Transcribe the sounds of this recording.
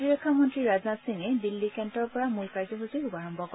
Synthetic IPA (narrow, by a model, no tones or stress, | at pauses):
iɹɔkʰːamɔntɹiɹaznatsiŋɛdilːikɛntɔɹpɔɹamulkaɹzɔɦuziubaɹɔmbʱɔkɔ